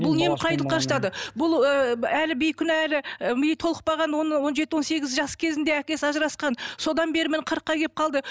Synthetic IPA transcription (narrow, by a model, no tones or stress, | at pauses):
bʊlˠne̞mqʰɑjt̪əlˠəpqːʰɑɾʃt̪ɑd̪əbʊlˠəælɪbejkʲʰʏnɪælɪmɪjejt̪ʰolˠəq̚pɑʁɑnwonwo̞nʒe̞t̪ɪwonse̞ɡʲɪzʒɑskʲʰe̞zɪnd̪e̞ækʲe̞sɑʒəɾɑsqɑnso̞d̪ɑnbe̞ɾɪmɪnqʰəɾəqːɑjkʲep̚qʰɑlˠd̪ə